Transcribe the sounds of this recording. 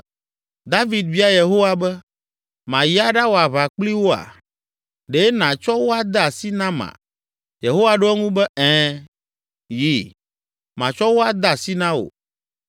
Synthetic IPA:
d̪a˦vi˨d̪vi˦a˦je˨ɦo˦wa˨bɛ˦ | mã˨ji˦a˦ɖa˦wo˨a˨βa˨k͡pli˦wo˦a̰˨ | ɖe˦nã˨t͡ʃɔ˦wo˦a˦d̪a˨si˦nã˦mã̰˨ | je˨ɦo˦wa˨ɖo˦ɛ˦ŋũ˦bɛ˦ɛ̃˦ | ji˦ | mã˨t͡ʃɔ˦wo˦a˨d̪a˦˨si˦nã˦o̰˨

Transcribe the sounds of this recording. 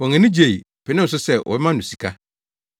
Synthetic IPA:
ɔ̃˨ŋɛ̃˨nɪ̃˦d͡ʑe˨i˨ | pʰɛ˨nɪ̃˦n̩˨s̬ʊ˦sɛ˦˨wʔɔ̰˨ɛ˦mã˦n˨ʊ̃˨si̥˨kʰa˦

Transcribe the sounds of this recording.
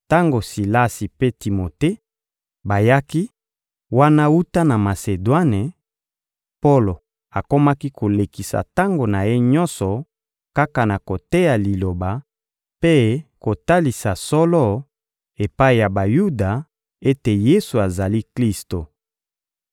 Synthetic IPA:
ta˦ŋɡo˨si˨la˦si˨pe˦ti˨mo˨te˦ | ba˨ja˦ki˦ | wa˦na˦wu˦ta˦na˨ma˨se˨dwa˦ne˨ | po˦lo˨ | a˨ko˦ma˦ki˦kʰo˨le˨ki˨sa̰˨ta˦ŋɡo˨na˨je˦ɲɔ˦nsɔ˨ | ka˦ka˨na˨ko˨te˦ja˨li˨lo˨ba˨ | pe˦ko˨ta˦li˨sa˨sɔ˦lɔ˦ | e˨pa˦i˨ja˨ba˨ju˦da˨ | e˦te˨je˦su˨a˨za˨li˦kli˦sto˨

